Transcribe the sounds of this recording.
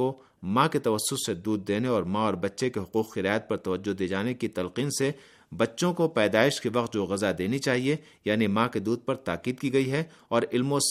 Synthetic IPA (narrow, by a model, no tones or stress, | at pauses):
o | mãket̪ɐʋɐsːʊsed̪uːd̪̚ːeːneɔːɾmãɔːɾbɐtːʃekeɦʊquːqxɪɾaːət̪̚pɐɾt̪ɐʋəd͡ʒːod̪eːd͡ʒaːnekit̪ɐlqiːnse | bɐtːʃõkopɛːd̪aːɪʃkiʋɐq̚t̪̚d͡ʒoːɣɐzad̪eːnit͡ʃaːɦie | jaːnimãked̪uːd̪̚pɐɾt̪aːqiːd̪̚kiːɡɐiɦɛ | ɔːɾɪlmõs